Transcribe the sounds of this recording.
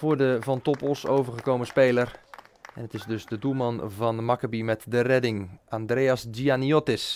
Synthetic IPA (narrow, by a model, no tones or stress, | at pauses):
vʊːdəvɔntɔpɔso̰ːvərχəkowməspeːlərɛnətɪzdøsdədumɑnvɔnmakəbimɛtdərɛdɪŋandreːasdianiotɪs